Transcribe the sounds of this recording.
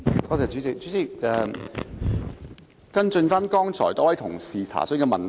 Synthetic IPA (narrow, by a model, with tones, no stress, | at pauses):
kɔː˨˧t̪e˨˩t͡syː˨˥t͡sɪ˨k̚t͡ɕt͡syː˨˥t͡sɪ˨k̚ɛː˨˧ | kɐ˥nt͡sɵ˧nfaː˥nkɔː˥ŋt͡sʰɔ̰ː˨˩jt̪ɔː˨˥wɐ˨˥jt̪ʰʊ˨˩ŋsiː˨t͡sʰa̰ː˨˩sɵ˨˥kɛː˧mɐ˨n